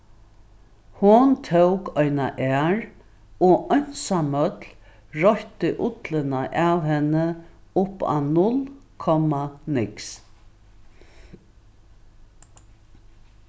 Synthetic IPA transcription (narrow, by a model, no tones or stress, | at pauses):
hʊnt̪ʰowkɔʏna̰ʔɛːɹ | ɔʔɔn̥samœt̪l | ɹɔht̪əʔʊt̪lənaʔaʋhɛnəʊpːa̰nʊlkʰɔmanɪks